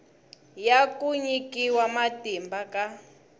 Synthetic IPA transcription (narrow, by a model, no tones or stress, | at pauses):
jakuɲikiwamatimbaka